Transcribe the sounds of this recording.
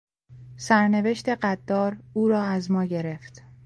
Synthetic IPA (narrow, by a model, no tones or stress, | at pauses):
sæɾne̞veʃt̪e̞ɢæd̪̥ːɒːɾuːɾɒːæzmɒːɟe̞ɾe̞ft̪